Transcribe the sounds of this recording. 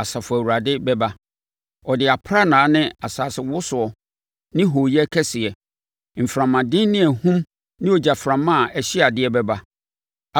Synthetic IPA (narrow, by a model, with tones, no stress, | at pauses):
a˨sa˨fʊ˨æ˨wu˨ɾa˨dɪ˦bɛ˦ba˦ | ɔ˨dɪ˨a˨pʰɾa˦nãː˨˦nɪ̃˦a˨saː˨sɪ˨wʊ˦sʊ˨ɔ˨ | nɪ̃˦ɦo˨jɛ˦kʰɛ˦sɪ˨ɛ˨ | m̩˨fɾã˨mːã˨dɪ̃˦n˦nɪ̃˦æ˨hũ˦m | nɪ̃˦ɔ˨d͡ʑa˨fɾã˨mːã˦˨ʔɛ˨ɕɪ˦a˨dɪ˦ɛ˦bɛ˦ba˦˨